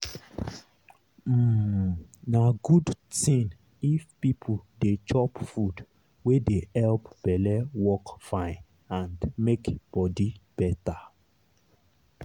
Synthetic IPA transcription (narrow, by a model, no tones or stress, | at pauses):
naɡudtĩn | ifpipʰudet͡ʃɔpfud | wedeɛlpb̥ɛlɛwɔkfãɪ̃n | ãndmekb̥ɔdib̥ɛta